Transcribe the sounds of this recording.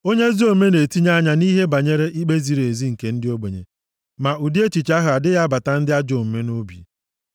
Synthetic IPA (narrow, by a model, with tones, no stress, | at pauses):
o˦ɲe˦zi˦o˨˦me˦ne˨ti˦ɲa˦ɲa˨ni˦ɦe˦ba˨ɲe˦ɾe˦ʔi˦k͡pe˦zi˨ɾe˨zi˦ŋ̩˨ke˨n̩˦dɪ˦o˦ɡ͡be˨ɲḛ˨ | ma˨u˨di˦e˦t͡ʃi˨t͡ʃa˦ɦʊ˨a˨dɪ˦ɣa˦ba˨ta˨n̩˦dɪ˦a˦d͡ʒo˨m̩˨me˦no˦bḭ˨